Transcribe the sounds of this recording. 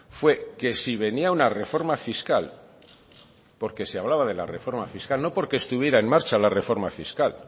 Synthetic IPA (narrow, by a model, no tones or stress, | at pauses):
fwe̞ke̞siβ̞e̞niaunare̞fo̞ɾmafiskal | po̞ɾke̞seaβ̞laβað̞e̞la̰re̞fo̞ɾmafiskalno̞po̞ɾke̞ːst̪uβ̞je̞ɾae̞nmaɾt͡ʃalare̞fo̞ɾmafiskal